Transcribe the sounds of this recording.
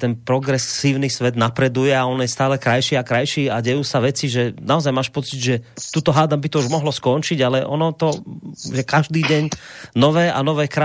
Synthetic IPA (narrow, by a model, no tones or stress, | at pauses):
t̪ɛnpɾɔɡɾɛsiːʊnisʋɛd̪napɾɛd̪ujɛaɔnjɛst̪aːlɛkɾajʃiːakɾajʃiːaɟɛjuːsaʋɛt͡siʒɛnaɔzajmaːʃpɔt͡sid̪ʒɛt̪uːt̪ɔɦaːd̪ambit̪ɔuʒmɔɦlɔskɔnt͡ʃiɟalɛʔɔ̰nɔt̪ɔʒɛkaʒd̪iːɟɛɲnɔʋɛːʔanɔʋɛːkɾa